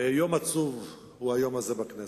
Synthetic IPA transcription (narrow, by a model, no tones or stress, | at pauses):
jo̞mat͡suv | huhajomazebakne